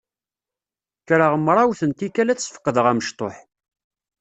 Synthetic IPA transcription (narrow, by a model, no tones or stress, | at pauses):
kɾəʁəmɾˤɑwθənt̪ikælæt͡sːsfə̥qːðəʁæməʃt̪ˤoħ